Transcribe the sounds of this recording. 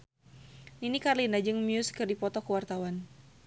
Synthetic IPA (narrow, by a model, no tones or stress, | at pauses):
ninikarlinad͡ʒɨŋmjuskɨrdipɔt̪ɔkəwart̪awan